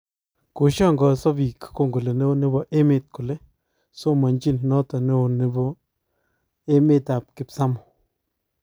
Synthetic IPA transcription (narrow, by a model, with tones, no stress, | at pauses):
ko˨ʃɔ˦ŋɡɔ˨sɔ˦bi˨kko˦˨ŋɡʊ˨le˨ne˦o˦nɪ˦bɔ˨ʔe˦mɪ˨t̚kʊ˨le˦ | so˦ma˨ɲd͡ʒi˦nnɔ˦tɔ˨ne˦o˨nɪ˦bɔ˦ | e˦me˦ta˨p̚kɪ˨psa˦mʊ˨